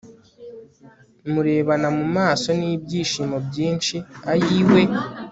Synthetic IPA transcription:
muɾe̞ːβanamumaːso̞niːbɟiːʃiːmobjiːnʃiajiːwe̞

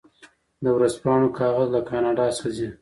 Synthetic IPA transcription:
d̪əwɾaspɑɳ̃okʰɑɣazlakɑnɑɖɑsazi

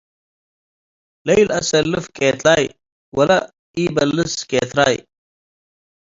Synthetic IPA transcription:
lɐjlɐsɐlːəfkʼeːt̪aːj | wɐlɐ | iːbɐlːəskeːt̪ɾa̰ːj

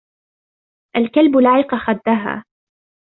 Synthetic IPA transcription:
ʔalkalbʊlaːʕɪqɑxad̪ːaɦa̰ː

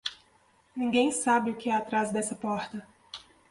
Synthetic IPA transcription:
nĩɡẽj̃sabɪʊkɪɛat̪ɾazd̪ɛsɐpɔɾt̪ɐ

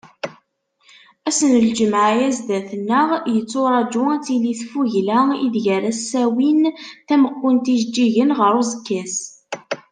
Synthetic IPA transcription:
æsənəld͡ʒəmʕjæzd̪æθənːəʁjət͡sːoɾˤɑd͡ʒuæt͡sːiliθfuʝlæḭðʝæɾæsːæwinθæməqːʊnt̪iʒd͡ʒːiʝənʁəɾuzəkːæs

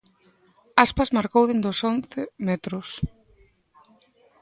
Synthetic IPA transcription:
aspazmaɾkowðend̪osonθemɛt̪ɾʊs

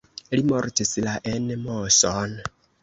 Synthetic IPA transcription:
limɔɾtisilaʔɛnɛmɔsɔna

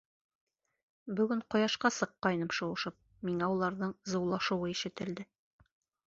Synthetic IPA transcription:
bɵ̆ɡɵɴqŏjɑʃqɑsɤ̆qːɑjnɤpʃŏwɤ̆ʃɤp̚ | miŋæulˠɑɾðɤɴzɤ̆wlˠɑʃɤ̆wɤiʃɘ̆t̪ɘ̆ld̪ɘ

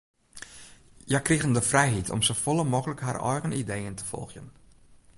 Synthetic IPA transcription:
jakriɣəndəfrɛjɦitʰɔ̰msofolˠəmokələkha̰rɔ̰jɣənidejəntʰə̥fɔ̰lˠxjən

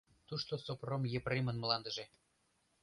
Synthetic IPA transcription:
t̪uʃt̪osopromjĕpremənməlɑnd̪ə̆ʒe

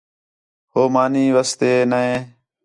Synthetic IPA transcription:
ɦoːmaːniːʋaːst̪eːnəẽː

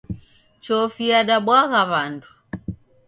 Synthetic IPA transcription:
t͡ʃɔfiaɗaɓwaɣaβandu

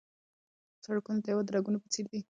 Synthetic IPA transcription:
saɽkunat̪ajawad̪ɾaɡunapət͡seɾd̪i

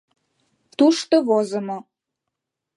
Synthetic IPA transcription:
t̪uʃt̪oβozəmo

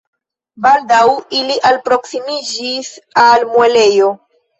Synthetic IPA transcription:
baldawiliʔalpɾo̞ksimid͡ʒisalmwele̞jo̞

